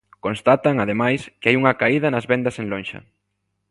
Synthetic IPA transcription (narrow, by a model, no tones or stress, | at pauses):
kõnst̪at̪ɐŋaðemajskɪajuŋɐkaiðɐnɐzβend̪ɐseŋlonʃɐ̰